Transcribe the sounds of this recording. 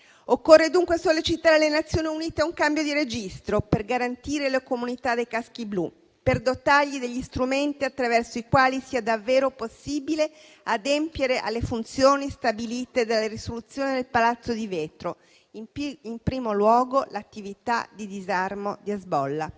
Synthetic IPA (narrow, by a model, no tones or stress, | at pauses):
okːorːed̪uŋkwesolːit͡ʃit̪aːɾelenat̪sːjoːniuniːt̪eauŋkambjod̪iɾed͡ʒist̪ɾoperɡaɾant̪iːɾelekomunit̪ad̪ejkask̟iblu | perd̪ot̪aʎːid̪eʎːist̪ɾument̪iat̪ːɾavɛrsoikwaːlisiːad̪avːeːɾoposːiːbile | ad̪empjeɾeʔa̰lːefunt̪sjoːnist̪abiliːt̪ed̪alːeɾisolut̪sːjoːnid̪elpalat̪sːod̪iveːt̪ɾo | iimpɾiːmolwɔːɡolat̪ːivit̪a̰d̪id̪izarmod̪iazbɔlːa